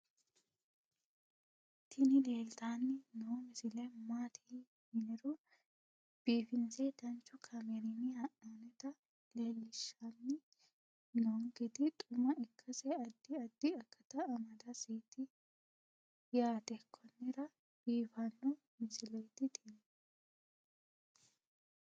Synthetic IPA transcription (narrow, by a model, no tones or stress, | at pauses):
t̪ʰɪnɪle̞ːlt̪anːɪnɔmɪsɪlɛmaːt̪ʰi | mɪnɪɾɔ | b̥iːfɪnsɛd̪ɐnt͡ʃːʊkʰɐmɛɾɪnːɪhɐʔanɛt̪ɐ | le̞ːlːɪʃːanːɪ | noŋɡɪd̪ɪt̪ʼʊmɐɪkːɐsɛɐd̪ːɪɐd̪ːɪɐkːɐt̪ɐːmɐd̪ɐsiːt̪ɪ | jaːt̪ɛkʰːɔnːɪɾɐ | b̥iːfɐnːɔ | mɪsɪlɛjt̪ːɪt̪in